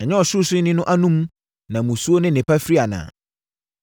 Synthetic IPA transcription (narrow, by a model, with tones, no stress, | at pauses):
ɛ˨ɲɛ̃˦ɔ˨ɕʊ˦sɪ˦nɪ̃˦nʊ̃˦ʔa˦nũ˦m˦ | nã˨mũ˨su˦o˦nɪ̃˦nɪ̃˨pʰa˦fi˦ɾi˦a˨nã̰ː˨